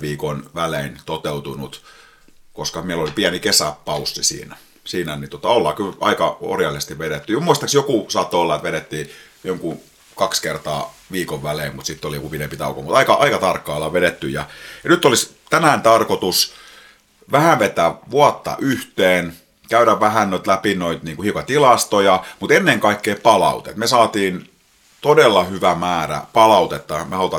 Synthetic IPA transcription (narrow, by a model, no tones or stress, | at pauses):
ʋiːkonʋæleint̪ot̪eut̪unut̪ | koskɑmielolipiænikesæpɑusːisḭːnæ | siːnæniuot̪ɑolːɑːkylɑ̰ikɑo̰rjɑlːˑisest̪iʋʋeɾet̪ːyjɑmuist̪ɑksjokusɑːt̪ːoolːɑet̪ʋeɾet̪ːiː | joŋku | kɑkskert̪ɑ̰ːʋiːkoʋʋæleimmut̪sit̪ːoliokupinempit̪ɑ̰ukomut̪ɑikɑʔɑikɑt̪ɑrkːɑːlːɑʋeɾet̪ːyjɑjɑnyt̪ːˑolis | t̪ænæːnt̪ɑrkot̪us | ʋæhæʋʋet̪æːʋuɑt̪ːɑ̰ʔyht̪eːn | kæyɾæʋʋæɦænnoit̪læpinoit̪niːŋkuhiukɑt̪ilɑst̪ojɑmut̪enːeŋkɑikːeːpɑlɑ̰ut̪ḛt̪mesɑːt̪iːn | t̪odelːɑhyʋæmæːɾæ̰pɑlɑut̪et̪ːɑmehɑlut̪ɑ